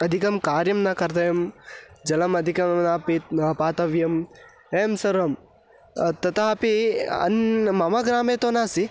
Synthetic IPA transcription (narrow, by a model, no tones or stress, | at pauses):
ɐd̪ʱikɐmkaːɾjɐmnakɐɾt̪ɐjɐmd͡ʒɐlɐmɐd̪ʱikɐnaːpit̪paːt̪ɐʋjɐm | eːmsɐɾɐm | t̪ɐt̪aɐpiɐ̰nmɐmaɡɾaːmeːt̪oːnaːsi